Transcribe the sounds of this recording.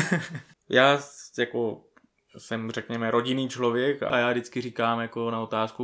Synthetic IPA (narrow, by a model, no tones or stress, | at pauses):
jaːjako̞ | sɛmrɛkɲɛmɛɾo̞ɟɪniːt͡ʃlo̞vjɛka̰jaːdɪt͡skɪriːkaːmjako̞naot̪aːsku